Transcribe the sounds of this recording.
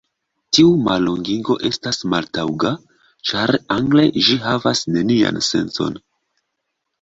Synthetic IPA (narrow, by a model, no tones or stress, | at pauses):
tiuma̰lːoŋɡiɡo̞̰ʔe̞stasmaltawɡa | t͡ʃaɾaŋɡle̞ʒiɦavasne̞nia̰nse̞̰nt͡so̞̰n